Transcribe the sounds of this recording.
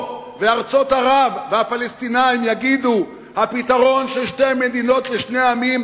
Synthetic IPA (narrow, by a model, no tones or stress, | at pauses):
veaʁt͡so̞t̪haʁavːeapalest̪inaimjaɡid̪u | hapit̪aʁo̞nʃelʃte̞jmed̪ino̞t̪leʃne̞aamim